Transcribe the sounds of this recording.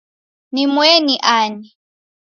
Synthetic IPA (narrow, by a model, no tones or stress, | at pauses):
nimwɛniʔaːni